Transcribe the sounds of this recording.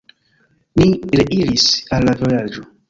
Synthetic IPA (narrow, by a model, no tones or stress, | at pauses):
miɾeʔiɾisalːavojad͡ʒo